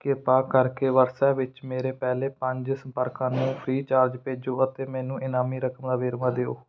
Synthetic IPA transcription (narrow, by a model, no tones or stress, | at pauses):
kɪpaːkəɾkeːʋəɾsɛːʋɪt͡ʃmeːɾeːpɛːleːpəɲd͡ʒsəmpəɾkãːnũːpʰɾiːt͡ʃaːɾd͡ʒpeːd͡ʒoːət̪eːmɛ̃ːnũːʔɪnaːmiːɾəkəmd̪aːʋeːɾʋãːd̪eːo̰ː